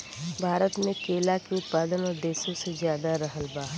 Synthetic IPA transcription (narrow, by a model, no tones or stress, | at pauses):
bʱaːɾət̪mẽkeːlakeʊt̪̚paːd̪ənɔːɾd̪eːʃõsezjaːd̪aɾɐɦəlbaː